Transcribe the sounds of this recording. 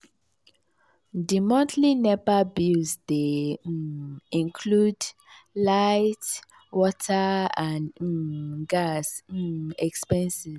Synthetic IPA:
dimɔ̃ntʰlinɛbabisde | ĩnkʰlud | laɪt | wɔtʰaãn | ɡasɛkspɛ̃nsi

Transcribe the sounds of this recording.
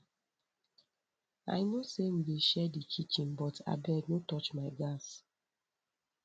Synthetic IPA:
a̰jnosen̩deʃɛdit͡ʃit͡ʃĩnbɔta̰bɛnotɔt͡ʃmaɪɡas

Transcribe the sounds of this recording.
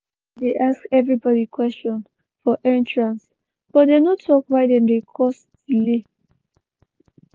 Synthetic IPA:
deʔaskɛvɹibɔdikwɛst͡ʃɔ̃n | fɔʔɛ̃ntɹãns | b̥ɔtdenotʰɔkwaɪdɛ̃nɹekʰɔs | ile

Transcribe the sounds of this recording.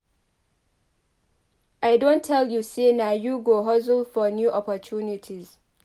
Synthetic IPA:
ʔajdontʰːɛljuːseːnajuːɡoɦɔz̬ʊlfɔnjuːʔɔpɔt͡ʃʰunɪtʰiz

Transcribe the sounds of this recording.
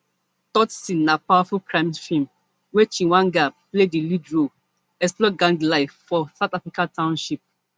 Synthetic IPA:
tɔtsĩnːapawafulkʰɹãɪ̃mfĩm | wɛt͡ʃĩwãnɡapledilidɹo | ɛksplɔɡãŋɡlaɪfːɔsaʊtafɹikatʰãʊ̃nʃip̚

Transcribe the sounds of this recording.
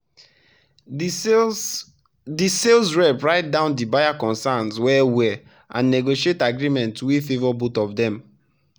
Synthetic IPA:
diselsɹɛpɹaɪt̚dãʊ̃ndibajakɔ̃nsãnswɛwɛ | ʔã̰nːɛɡoʃietaɡɹimɛ̃ntwifevɔbutɔvdɛ̃m

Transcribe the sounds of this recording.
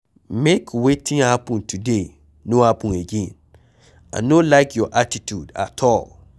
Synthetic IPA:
mekʰwetʰĩŋahapə̃ntʰude | noapũneɡẽn | a̰ɪnolaɪkjɔʔatitʰuda̰tʰɔlˠ

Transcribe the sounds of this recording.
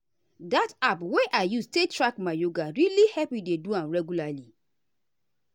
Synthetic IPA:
datapweʔaɪjustetɹakmajoɡaɾilihɛpideduãmɹɛɡjulali

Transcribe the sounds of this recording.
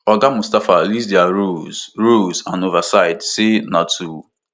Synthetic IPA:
ɔɡamustafalisdɛaɾuz̥ɹuzãnovasaɪdsɪnatʰu

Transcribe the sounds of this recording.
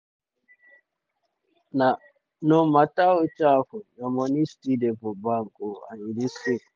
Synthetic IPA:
na | nɔmatawɔt͡ʃafɔjɔmɔnistidɛpɔbaŋkʼɔa̰nidisi

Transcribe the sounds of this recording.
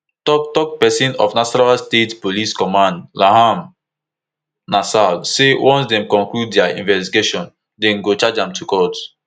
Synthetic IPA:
tɔk̚tɔk̚pɛsĩnɔ̰fnaʃɔnalstetpoliskɔmãndlahãm | nasasewʔɔ̃nsdɛ̃mkɔ̃ŋkluddɛaḭ̃nvɛstiɡeʃɔ̃n | dɛ̃nɡot͡ʃad͡ʒãmtʰukɔt

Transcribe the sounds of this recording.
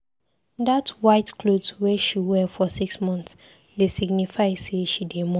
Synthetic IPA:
datwaɪtkʰlodwɛʃiwɛfɔsiksmɔ̃nθs | desiɡnifaɪzseʃidemɔ̃

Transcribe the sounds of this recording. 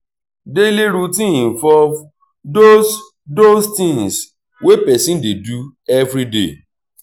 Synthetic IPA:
deleɾutĩĩvɔv | dos | dostĩŋs | wepɛsĩndedu | ɛvɾidḛ

